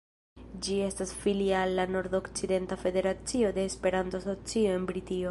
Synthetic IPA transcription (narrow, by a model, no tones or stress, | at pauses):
d͡ʒie̞stasfiliaːlːano̞ɾd̪o̞kt͡side̞ntafe̞de̞ɾat͡sio̞d̪e̞ːspe̞ɾantoso̞t͡sio̞e̞nbɾitio̞